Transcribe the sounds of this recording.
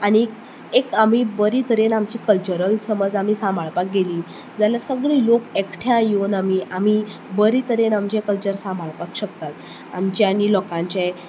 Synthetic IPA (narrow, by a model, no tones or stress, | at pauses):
aɽ̃i | ekam̤ibəɾit̪əɾenamt͡ɕikəlt͡ɕəɾəlsəməd͡zam̤iːsãmbʱaɭpak̚ɡeliː | d͡zaljaɾsəɡɭiːlokekʈʰjãjonamiʔam̤iː | bəɾit̪əɾenamt͡ɕekəlt͡ɕəɾsãmbʱaɭpakɕək̚t̪at̪̚ | a̰mt͡ɕeanilɔkãɲt͡ɕe